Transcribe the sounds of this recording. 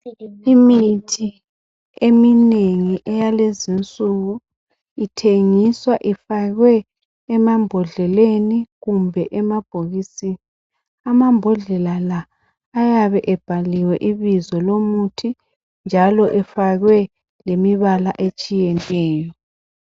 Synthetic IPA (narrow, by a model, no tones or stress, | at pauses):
imitʰi | emineŋiʔɛjalezint͡sʼuɣu | itʰeŋiswaʔifaɣwɛː | mambʱɔɮɛleniɣumbʱɛʔɛmab̥ʱoɣisini | amambʱɔɮɛlalaː | jaβɛʔɛb̥ʱaliwɛʔiβizɔlomutʰi | nd͡ʒʱalɔʔɛfaɣwɛ | lemiβalaʔet͡ʃʼijɛnɛːjɔ